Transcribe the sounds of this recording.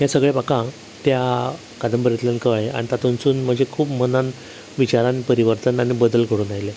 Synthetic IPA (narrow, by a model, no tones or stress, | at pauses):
ɦjãsəɡɭepakã | t̪ja | kad̪ʱəmpəɾet̪ljankəʋɭea̰ɽ̃it̪at̪ʰonst͡suːnm̤əɳd͡ʑekʰuːpmənan | ʋit͡ɕaɾanpəɾiʋəɾt̪ənaɽ̃ibəd̪əlkʰəɽuːnajle